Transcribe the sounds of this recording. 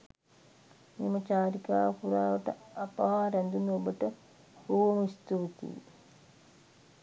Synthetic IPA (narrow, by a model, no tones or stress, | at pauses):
mimɐt͡ʃaːɾikaːʋkuɾaːʋəʈə̰apaʋaːɾænd̪unːuobəʈə | buːʋomist̪uʋt̪ḭː